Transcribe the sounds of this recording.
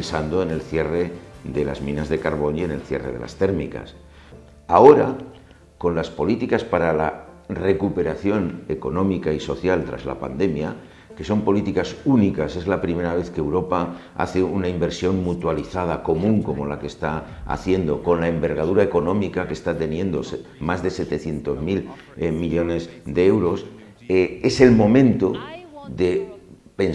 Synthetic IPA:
nsand̪o̞ene̞lθje̞re̞ðe̞la̰zmĩnazðe̞kaɾβ̞o̞nie̞ne̞lθje̞̰re̞̰ðe̞̰la̰st̪e̞ɾmika̰s | ao̞ɾa | ko̞nlaspo̞lit̪ikaspaɾalare̞kupe̞ɾaθjo̞ne̞ko̞nõ̞mikaiso̞θjalt̪ɾa̰zla̰pa̰nd̪e̞mja | ke̞so̞mpo̞lit̪ikasunikase̞zlapɾime̞ɾaβ̞e̞θkewɾo̞pa | a̰θe̞unaimbe̞ɾsjo̞ŋmut̪waliθað̞ako̞mũŋko̞mo̞lake̞st̪aa̰θje̞nd̪o̞ko̞nlae̞mbe̞ɾɣ̞að̞uɾae̞ko̞nõ̞mikakest̪at̪e̞njẽ̞nd̪o̞smazðe̞se̞t̪e̞θje̞nt̪o̞zmil | miʎone̞zðe̞ewɾo̞s | ee̞se̞lmõ̞mẽ̞nt̪o̞ðe̞ | pe̞n

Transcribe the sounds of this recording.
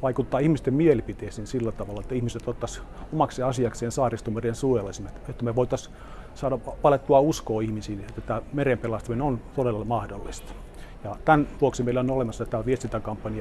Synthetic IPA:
ʋɑikut̪ːɑːihmist̪emmielipit̪eːsiːnsilːæt̪ɑʋɑlːɑet̪ːæihmiset̪ot̪ːɑsomɑkseɑsiɑkseːnsɑːrist̪umerensuelɑsimet̪et̪ːæmeʋoit̪ɑs | sɑːdɑʋɑlet̪ːuɑuskoːihmisiːet̪ːæt̪æːmerempelɑst̪ɑminont̪odelɑmɑhdolːist̪ɑ̥ | jɑt̪ænʋuoksimeilːæonolemɑsːɑt̪ːæʋiest̪int̪ækɑmpːɑniɑ

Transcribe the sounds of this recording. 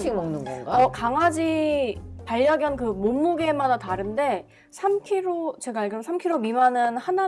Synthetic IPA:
imʌŋnɯnɡʌʌkaŋɦad͡ʑi | paʎːaɡjʌnkɯmomːuɡe̞madataɾɯnde̞ | sʰamkʰiɾot͡ɕe̞ɡaːɭɡɯɾsʰamkʰiɾomimanɯnhana

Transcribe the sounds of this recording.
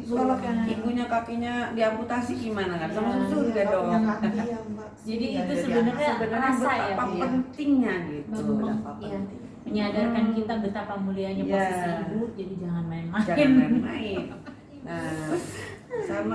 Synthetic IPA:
kalokaiŋɡuɲakakiɲadiamput̪asiɡimanakansamasusuɾɡadɔ | d͡ʒadiːt̪usəbənərɲaaənɾasbəaajapapənt̪ɪŋɲaɡiualumaaja | məɲadarkankit̪abət̪apamuliaɲabaasaabuʊd͡ʒadid͡ʒaŋanmaɪnmaaɪnmaɪn | na | sama

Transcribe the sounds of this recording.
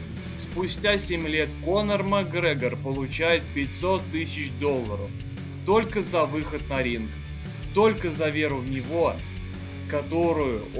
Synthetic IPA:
spʊsʲtʲasʲemʲlʲet̪̚konərmɐɡɾɛɡərpəlˠʊt͡ɕæjɪt̪̚pʲɪtʲsot̪ːɨsʲɪt͡ɕd̪olˠːəɾəf | t̪o̞lʲkəzɐvɨxət̪̚nɐɾʲink | t̪o̞lʲkəzɐvʲeɾʊvnʲɪvo̞ | kɐt̪o̞ɾʊjʊ

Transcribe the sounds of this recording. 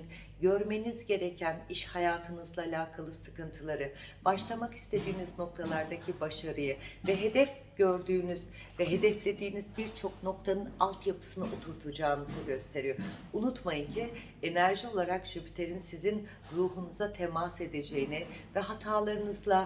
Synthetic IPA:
n | ɟø̞ɾme̞nizɟe̞ɾe̞cʰæniʃhajaːt̪ʰɯnɯzlˠaːlʲaːkʰalˠɯsɯ̥kɯnt̪ʰɯlˠaɾɯbaʃlˠamaki̥st̪ʰe̞d̪iːnizno̞k̚t̪ʰalˠaɾd̪acʰibaʃaɾɯjɯvɛɦe̞d̪ɛf | ɟ̥ø̞ɾd̪yːnyz | vɛɦe̞d̪ɛflʲe̞d̪iːnizbiɾt͡ʃʰo̞kno̞kt̪ʰanɯnalˠt̪japʰɯ̥sɯnɯʔot̪ʰuɾt̪ʰud͡ʒaːnɯzɯɟø̞st̪ʰe̞ɾijounut̪majɯncʰi | e̞næɾʒio̞lˠaɾakʃybyt̪ʰeɾinsizin | ɾuːɦunuzat̪ʰemase̞d̪e̞d͡ʒe̞jinɪvɛɦat̪ʰaːlˠaɾɯnɯzlˠa

